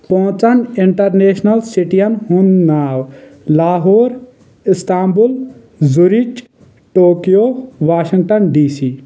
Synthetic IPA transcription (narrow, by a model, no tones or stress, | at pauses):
pɔɦt͡sɐnɪɳʈɐɾneːʃnɐlsiʈijɐnɦunːaːwlaːɦoːɾ | ɪst̪aːmbul | zuɾit͡ʃ | ʈoːkijoːʋaːʃiŋɡʈɐnɖiːsiː